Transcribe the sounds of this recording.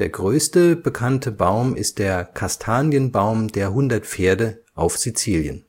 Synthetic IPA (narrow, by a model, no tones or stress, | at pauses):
d̥eːɐɡʁøːstəbəkʰantʰəbaʊmʔɪst̚d̥eːɐkʰastʰaːnjənbaʊmdeːɐɦʊndɐtfeːɐdəʔaʊfz̥it͡siːljə̰n